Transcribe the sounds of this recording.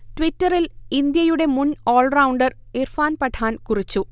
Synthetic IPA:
tʋitːɐrilind̪jɐjuɽe̞munoːɭrawɳɖɐrirfaːnpɐʈʰaːnkurit͡ɕːu

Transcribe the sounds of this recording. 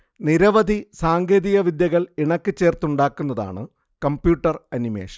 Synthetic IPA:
niɾɐʋɐd̪ʱisaːŋɡeːðiɣɐʋid̪jɐɣɐɭiɳɐkːɨt͡ɕːe̞ːrt̪uɳɖaːkːun̪ːɐða̰ːɳɨ | kɐmpjuːʈːɐrɐnimḛːʂɐ̥

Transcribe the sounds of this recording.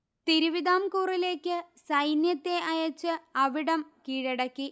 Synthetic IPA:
t̪iɾuʋiðaːmkuːrile̞ːkʲːɨsɐjnjɐt̪ːe̞ʔɐjɐt͡ɕːɨɐʋiɽɐmkiːɻɐɽɐkːi

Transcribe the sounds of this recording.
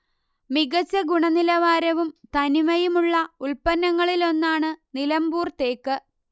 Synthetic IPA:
miɡɐt͡ɕːɐɡuɳɐnilɐʋaːɾɐʋumt̪ɐnimɐjumuɭːɐuɭpɐnːɐŋːɐɭilo̞nːaːɳɨnilɐmbuːrt̪e̞ːkːɨ

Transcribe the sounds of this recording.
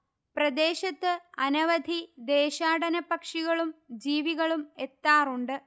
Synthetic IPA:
prɐd̪e̞ːɕɐt̪ːɨɐnɐʋɐd̪ʱid̪e̞ːɕaːɽɐnɐpɐkʂiɣɐɭumd͡ʑiːʋiɣɐɭume̞t̪ːaːruɳɖɨ

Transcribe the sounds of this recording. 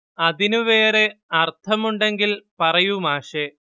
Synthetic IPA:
ɐðinuʋe̞ːɾeɐrt̪ʰɐmuɳɖe̞ŋɡilpɐrɐjumaːʂe

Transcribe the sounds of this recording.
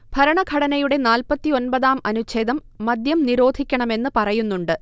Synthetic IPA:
b̥ʱɐɾɐɳɐɡʱɐɽɐnɐjuɽe̞naːlpɐt̪ːio̞npɐðaːmɐnut͡ɕe̞ːd̪ɐmːɐd̪jɐmniɾo̞ːd̪ʱikʲːɐɳɐme̞nːɨpɐrɐjunːuɳɖɨ

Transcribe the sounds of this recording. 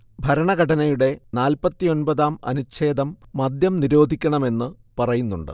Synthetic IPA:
bʱɐɾɐɳɐɡɐʈʰɐnɐjuɽe̞naːlpɐt̪ːio̞nbɐðaːmɐ̰nut͡ɕʰe̞ːd̪ɐmːɐd̪jɐmniɾo̞ːd̪ʱikʲːɐɳɐme̞nːɨ | pɐrɐjunːuɳɖɨ̰

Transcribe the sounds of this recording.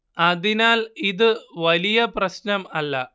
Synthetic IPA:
ɐðinaːliðɨʋɐlijɐprɐɕnɐmɐlːɐ̰

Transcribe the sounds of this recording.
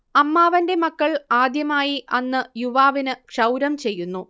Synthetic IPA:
ɐmːaːʋɐnde̞mɐkːɐɭaːd̪jɐmaːjiʔɐnːɨjuʋaːʋinɨkʂɐwɾɐmt͡ɕe̞jːunːu

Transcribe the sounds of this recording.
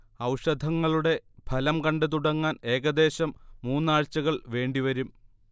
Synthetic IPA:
ɐwʂɐd̪ʱɐŋːɐɭuɽe̞bʱɐlɐmkɐɳɖɨt̪̬uɽɐŋːaːne̞ːɣɐd̪e̞ːɕɐmːuːnːaːɻt͡ɕːɐɣɐɭʋe̞ːɳɖiʋɐɾum

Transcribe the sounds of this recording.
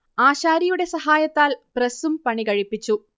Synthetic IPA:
aːɕaːɾijuɽe̞sɐɦaːjɐt̪ːaːlprɐsumpɐɳikɐɻipːit͡ɕːu

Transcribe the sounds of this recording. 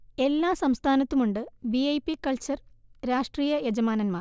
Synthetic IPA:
e̞lːaːsɐmst̪ʰaːnɐt̪ːumuɳɖɨbiɐjpːikːɐɭt͡ɕɐrɾaːʂʈriːjɐjed͡ʑɐmaːnɐnmaːr

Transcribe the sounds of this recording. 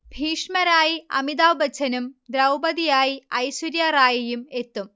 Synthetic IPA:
bʱiːʂmɐɾaːjiɐ̰mid̪aːʋbɐt͡ɕʰɐnumd̪ɾɐwbɐðijaːjiɐjsuɾjaraːjijume̞t̪ːum

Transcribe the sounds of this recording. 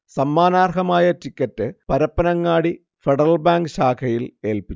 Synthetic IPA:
sɐmːaːnaːrkɐmaːjɐtikʲːɐtːɨpɐɾɐpːɐnɐŋːaːɽi | feɽɐrɐlbaːŋɡɨɕaːkʰɐjile̞ːlpit͡ɕː

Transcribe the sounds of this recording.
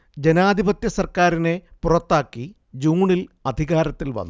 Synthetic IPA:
d͡ʑe̞naːd̪ʱibɐt̪jɐsɐrkaːɾine̞purɐt̪ːaːkːi | d͡ʑuːɳilɐd̪ʱiɣaːɾɐt̪ːilʋɐ̰nːu

